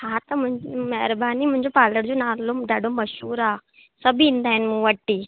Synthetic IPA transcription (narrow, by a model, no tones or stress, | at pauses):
hat̪ɐmũmɛɦɾbaniːm̤ũɦɲd͡ʑopaːləɽd͡ʑonalomɖaɽomɐʃuːɾa | səbʱiːnd̪aːɦinmũːʋəʈːiː